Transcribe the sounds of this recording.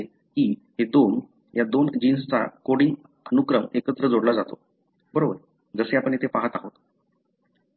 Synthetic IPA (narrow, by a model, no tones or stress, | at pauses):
e | kiːɦed̪on | jad̪ond͡ʑinsət͡sa̰koɽiŋ | ənukɾəmekət̪ɾəd͡zoɽlad͡zat̪o̰ | bəɾobəɾ | d͡zəseapəɳet̪ʰepaɦət̪aɦot̪